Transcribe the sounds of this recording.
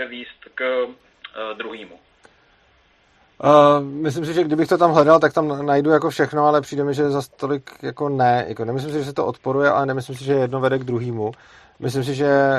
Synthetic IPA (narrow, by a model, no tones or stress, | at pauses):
ɛviːst̪k | d̪ɾuɦiːmu | mɪs̬lɪms̬ɪʒɛɡdɪbɪxt̪o̞t̪amɦlɛdalt̪akt̪amnajdujako̞fʃɛxno̞alɛpr̥iːdɛmɪʒɛzast̪o̞lɪkjako̞nɛjʔa̰konɛmɪs̬lɪms̬ɪʒɛs̬ɛt̪oʔot̪po̞ɾujɛʔa̰lɛnɛmɪslɪmsɪʒɛjɛdno̞vɛdɛɡd̪ɾuɦiːmu | mɪslɪms̬ɪʒɛ